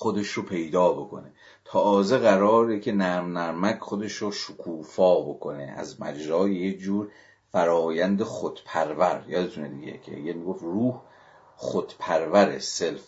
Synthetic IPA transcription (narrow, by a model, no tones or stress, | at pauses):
xod̪e̞ʃropʰe̞jd̪ɒːbo̞kʰo̞̰ne | t̪ʰɒːzeɣæɾɒːɾecʰe̞næɾmnæɾmækʰχod̪eʃɾoʃokʰuːfɒːbo̞kʰonḛʔæ̰zmæ̰d͡ʒzɒːjejekd͡ʒuːɾ | fæɾɒːjænd̪exod̪̥pʰæɾvæɾjɒːd̪ezuned̪ḭɟḛcʰejemiɡofruːh | χod̪̥pʰæɾvæɾḛself